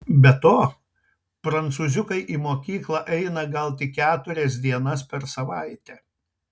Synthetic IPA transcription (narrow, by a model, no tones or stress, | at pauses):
bʲɛt̪oː | pɾɐnt̪suːzʲʊkɐɪʔimoːkʲiːklˠɐʔɛɪnɐɡɐlˠt̪ʲɪkʲæːt̪ʊɾʲɛs̬d̪ʲiɛnɐspʲɛɾsɐʋɐɪt̪ʲɛ